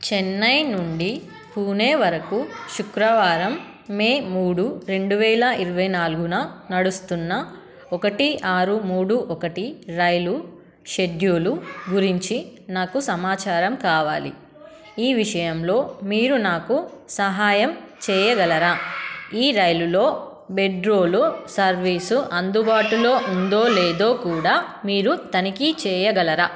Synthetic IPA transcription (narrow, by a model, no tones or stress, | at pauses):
t͡ʃɛnːɐjnuɳɖi | puːneːʋɐɾɐkuʃukɾɐʋaːɾɐmː | eːmuːɽuɾe̞ɳɖuʋɛːlɐʔiɾuʋɐjnaːluɡunɐnɐɽust̪unːɐ | ɔkɐʈiʔaːɾumuːɽuʔɔkɐʈiɾɐjlu | ʃed̪juːluɡuɾiɲt͡ʃinaːkusɐmaːt͡ʃaːɾɐmkaːʋaːlḭ | iːʋiʂɐjɐmlo̞ːmiːɾunaːkusɐɦaːjɐm | t͡ʃɛːjɐɡɐlɐɾaːiːɾɐjlulo̞ː | be̞ɖɾo̞ːlusɐɾʋiːsuʔɐnd̪ubaːʈulo̞ːʔund̪o̞ːlɛːd̪o̞ːkuːɽaː | miːɾut̪ɐnikit͡ʃɛːjɐɡɐlɐɾaː